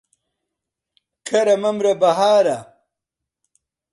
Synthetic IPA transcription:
kʰɐɾɐmɐmɾɐbɐɦaːɾɐ

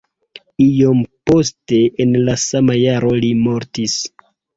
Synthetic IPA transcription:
ijompo̞ste̞ʔenlasamajaɾo̞limo̞ɾtis

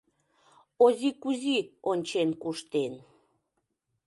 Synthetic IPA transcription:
ozikuzionʲt͡ɕenkuʃt̪en

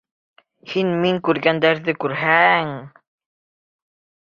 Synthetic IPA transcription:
hinʲmiŋkʉɾɡænd̪æɾðɘkʉɾɦæŋ

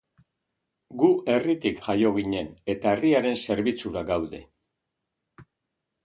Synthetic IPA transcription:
ɡue̞rit̪ikʝajo̞ɣ̞iɲe̞ne̞t̪aeriaɾe̞nse̞ɾβit͡suɾaɡawðe̞̰

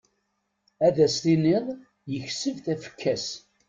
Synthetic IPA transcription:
æðæst̪inɪðˤ | jəçsəvθæfə̥kʰːæs

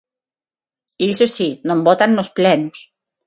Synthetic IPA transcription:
isosinõmbɔt̪anːosplɛnʊs

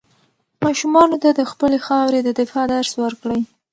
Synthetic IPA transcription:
mɑʃumɑnot̪ad̪əxpəlexɑwɾed̪əd̪ɪfɑd̪aɾswəɾkɽəj

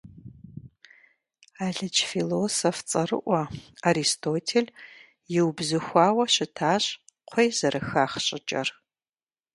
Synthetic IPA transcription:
aːɮɨt͡ʃʰfilosoft͡sʼɐrɨ̰ʔʷɐaɾistʰoːtʰel | jɪwbzɨxʷɑːwɐɕɪtʰaːɕʼ | qʷʰejzɐɾɨxaːχɕʼɪt͡ʃʼɐ̰r

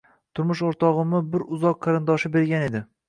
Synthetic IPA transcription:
t̪ʰʊɾmʊʃoɾt̪ʰɒʁɨmɪbɪɾʊzɒqʰːɑɾɪnd̪ɒʃɪbe̞ɾɡʲane̞d̪ɪ

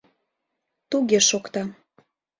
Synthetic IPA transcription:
t̪uɣeʃokt̪ɑ

